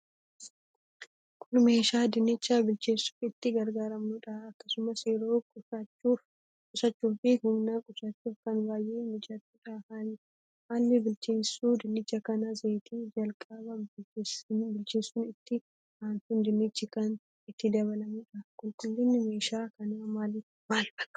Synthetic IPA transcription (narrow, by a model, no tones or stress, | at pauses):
kʰʼʊlme̞ːʃaːd̪ɪnɪt͡ʃːaːbɪlt͡ʃeːsːʊ̥fɪt̪ːɪɡɐɾɡaːɾɐmnʊᶑɐɐkːɐsʊmɐseːɾoːu | kʼʊsɐt͡ʃːuːfɪhʊmnaːkʼʊsɐt͡ʃːuːfkɐnbaːjʔeːmɪd͡ʒɐt̪ːuːᶑahan | haːlːɪbɪlt͡ʃeːnsuːd̪ɪnːɪt͡ʃːɐkɐnɐzeːt̪ʰiːd͡ʒɐlkʼɐbɐbɪbɪlt͡ʃeːsʊːnɪt̪ːɪ | haːnkʊnd̪ɪnɪt͡ʃːɪkɐn | ɪt̪ːɪd̪ɐβɐlɐmʊᶑɐkʼʊlkʼʊlːɪnːɪme̞ːʃaːkɐnɐmaːlɪ | maːlbɐkʼːɐ̥